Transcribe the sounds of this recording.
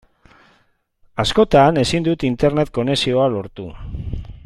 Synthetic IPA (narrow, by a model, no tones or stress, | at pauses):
asko̞t̪ane̞sind̪ut̪int̪e̞ɾne̞t̪̚ko̞ne̞sio̞alo̞ɾt̪u